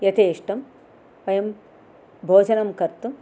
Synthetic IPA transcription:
jɐt̪eːʂʈɐm | ʋɐjɐm | bʱoːd͡ʒɐnɐmkɐɾt̪um

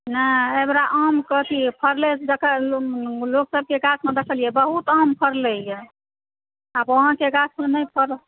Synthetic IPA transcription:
nəemɾaʔəmkət̪ʰipʰəɾlesd̪ekʰə | loksəb̚keɡasmed̪ekʰəlijebəɦut̪əmpʰəɾlɛje | abəɦə̃keɡasmenəjpʰəɾ

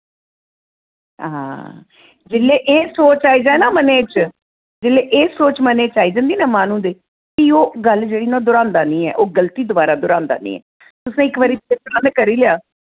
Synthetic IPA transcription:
ã̰ː | d͡ʒɪlːeːʔeːsoːt͡ʃaːiːd͡ʒaːenaːməneːt͡ʃ | d͡ʒɪlːeːʔeːsoːt͡ʃməneːt͡ʃaːiːd͡ʒãːnd̪iːnɛːmaːnũːd̪eː | kioːɡəld͡ʒeːɽiːnãːd̪ʊɾãːnd̪aːnĩːɛ̰ːʔoːɡəlt̪iːd̪ʊbaːɾaːd̪ʊɾãːnd̪a̰ːnḭ̃ːɛ̰ː | t̪ʊsnẽːɪkʋaːɾiːɪt̪ɾãːneːkəɾiːleaː

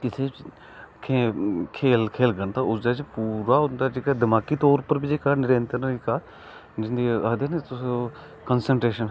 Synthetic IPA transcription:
kɪt̪ʰeː | kʰekʰeːlkʰeːlɡənt̪aːʊsd̪aːt͡ʃpuːɾaːɦʊ̃nd̪aːd͡ʒɪkaːd̪ɪmaːkiːt̪ɔːɾpəɾbid͡ʒekaːnɪɾə̃nt̪əɾɾikaː | d͡ʒɪnd̪iːəd̪eːnet̪ʊs | kənsəɳʈɾeːʃən

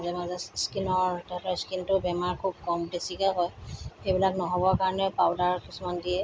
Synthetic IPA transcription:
zɛmazɛskinɔɹttɔskintʊbɛmaɹkʰub̚kɔmdesikakɔjxejbilaknɔɦɔbɔkaɹɔnɛpawdaɹkisumandijɛ

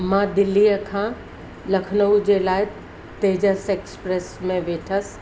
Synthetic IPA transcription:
mãd̪ɪlːiːjəkʰã | lɐkʰnəud͡ʑelaːɪ | t̪eːd͡ʑəseːkspɾesmẽʋeːʈʰəs

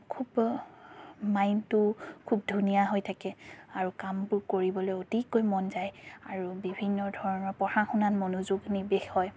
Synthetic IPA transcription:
kʰub | majntʊkʰubdʱunijaɦojtʰakɛaɹukampʊɹkoɹibɔlojotikojmɔnzajaɹubibʱinːɔdʱɔɹɔnɔɹpɔxaxunanmonuzuɡnibexɔj

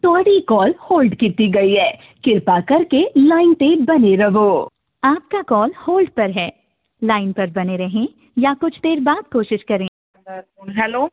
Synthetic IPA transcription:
t̪ɔːɽikɔːlhoːlɖkiːt̪iɡɐiɦɛː | kɪɾpakɐɾkelaːɪnt̪ebɐneɾɐʋoː | aːp̚kakɔːlhoːlɖpɐɾɦɛː | laːɪnpɐɾbɐneɾɐɦẽ | jakʊt͡ʃʰd̪eːɾbaːd̪̚koːʃɪʃkɐɾẽː | ɦɛloː

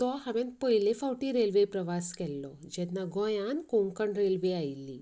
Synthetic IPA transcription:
t̪ɔhamɛ̃n̚pəilefawʈiɾelʋepɾəʋaskɛlːɔ̰ | d͡ʑɛnːaɡɔ̃jankoŋkəɳɖɾelʋeajlːḭ

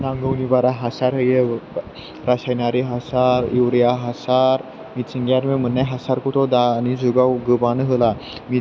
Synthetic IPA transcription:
nãŋɡəwnibaɾaɦasaɾɦəje | ɾaɕajnaɾiɦasaɾiwɾjaɦasaɾ | mit͡siŋɡjaɾmem̤ənːajɦasaɾkuʈ̪ʰod̪anid͡zuɡawɡəbanəɦəlami

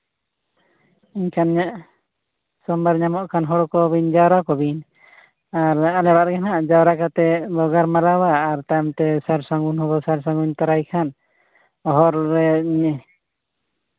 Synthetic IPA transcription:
iɲkʰanɲaʔ | sɔmbaɾɲamɔʔkʰanɦɔɽɔkɔbiɲd͡ʒawɾakɔbiɲ | aɾalɛɾaʔɾɛkanaʔd͡ʒawɾakat̪ɛbɔɡaɾmaɾawaːɾt̪ajmt̪ɛsaɾsaŋɡunhɔbɔsaɾsãŋɡuɲt̪aɾajkʰan | ɔɦɔɾːɛɲɛ

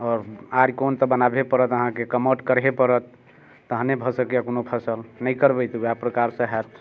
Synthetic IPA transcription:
ɔːɾaɾikont̪əbənabepəɾət̪əɦãkekəməʈkəɾɦepəɾət̪ː | əɦnebʱəsəkejakonopʰəsəlnəjkəɾbəjt̪apɾəkaɾsə̃ɦɛt̪

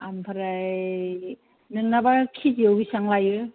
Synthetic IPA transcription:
ampʰaɾaj | nɯŋnabakʰid͡ʒiawɡisaŋlajɯ

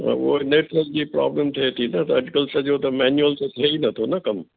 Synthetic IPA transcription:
a̰ʋo̰ːneːʈɾəld͡ʑipɾa̰ːbləmt̪ʰet̪ʰinɐt̪ɐd͡ʒkəlsed͡ʒoːt̪ɐmɛːnjuəlset̪ʰeinɐt̪ʰonɐkɐm

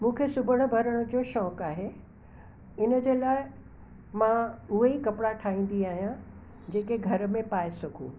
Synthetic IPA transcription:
mũːkʰesʊbʱəɽ̃̆bʱɐɾəɽ̃ʊ̆d͡ʑoːʃɔːkaːɦeː | ɪnə̆d͡ʑeːlaːɪ | mãʊɦeikɐpɪɽaʈʰaːĩːn̆d̪iaːɦijã | d͡ʑeːkeɡʱɐɾ̆mẽpaːɪsɐkʰṵː

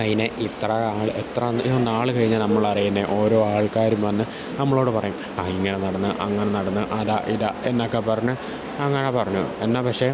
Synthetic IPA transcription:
ɐðineʔit̪rɐaːɭet̪rɐnionːaːɭɨkɐɻiɲːalnɐmːɐɭɐrijunːeʔo̞ːɾo̞ːaːɭkaːɾjumʋɐnːɨ | nɐmːɐɭo̞ːɽɨpɐrɐjum | aiŋːɐne̞nɐɽɐnːɨʔɐŋːɐɳenɐɽɐnːɨʔɐðaʔilɐenːokːepɐrɐɲːu | ɐŋːɐɳepɐrɐɲːuenːaːpɐkʂe̞

